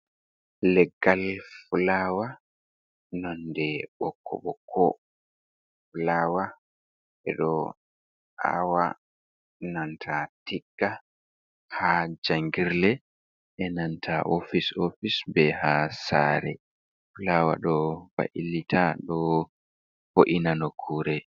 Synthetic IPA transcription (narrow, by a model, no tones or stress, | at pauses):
lɛɡːalfulaːwa | nɔndɛɓɔkːɔ̰ɓɔkʰɔ̰ | fulawa | ɛ̰ɗɔ | ʔa̰wa | nantʰatiɡːa | had͡ʒaŋɡiɾlɛ | ʔɛnantʰaʔofisofisbɛhasa̰ːɾɛ | fulawa̰ɗɔfa̰ʔilitʰaɗɔ | foʔinanokʰuːɾɛ